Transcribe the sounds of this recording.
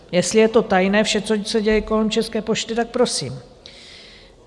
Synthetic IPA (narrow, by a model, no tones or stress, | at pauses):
jɛst̪lɪjɛt̪o̞t̪ajnɛːfʃɛt͡sosɛɟɛjɛko̞lɛmt͡ʃɛskɛːpo̞ʃt̪ɪt̪ak̚pɾo̞sḭːm